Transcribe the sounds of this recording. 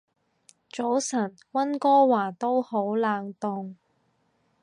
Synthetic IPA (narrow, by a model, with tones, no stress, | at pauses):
t͡so˨˥wsɐ˨˩n | wɐ˥nkɔː˥waː˨˩t̪o˥who˨˥wlaː˨˧ŋt̪ʊ˨ŋ